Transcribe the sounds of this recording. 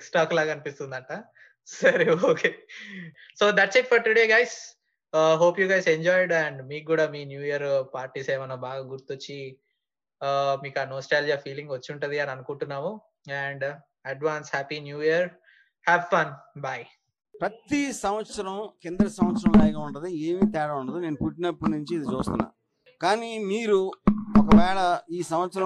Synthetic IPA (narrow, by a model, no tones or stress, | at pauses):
ksʈaːklaːɡɐnipist̪und̪ɐʈɐ | sɐɾeoːkeː | soːd̪ɐʈ̚setfɐɾʈuɽeːɡajs | ɦoːpjuːɡajseɲd͡ʒɔːjɖɛɳɖmiːk̚ɡːuːɽaːmiːnjuːijɐɾpaːɾʈiːseːmɐnɐbaːɡaːɡuɾt̪ot͡ʃːi | miːkaːnɔːsʈaːld͡ʒijaːfiːliŋɡʋɐt͡ʃːuɳʈund̪ianɐnukuɳʈunːaːmu | ɛɳɖ | ɐʈʋaːnshæːpinjuːiɐɾ | hɛːʋfɐnbaj | pɾɐt̪isɐmʋɐt̪sɐɾɐmkend̪ɐɾɐsɐmʋɐt̪sɐɾɐmlɐjɡaːuɳʈɐd̪ieːmit̪ɛːɽɐuɳɖɐd̪ine̞ːnupuʈnɐpːunuɲt͡ʃiːd̪it͡ʃuːst̪unːa̰ː | kaːnimiːɾuɔkɐʋɛːɭɐiːsɐmʋɐt̪sɐɾɐ